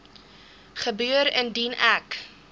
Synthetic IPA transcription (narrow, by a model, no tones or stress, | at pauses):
χəbyəɾəndinæk